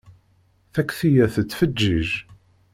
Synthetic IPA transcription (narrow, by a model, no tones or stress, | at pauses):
θækʷːθijæθət͡sːfəd͡ʒːiʒ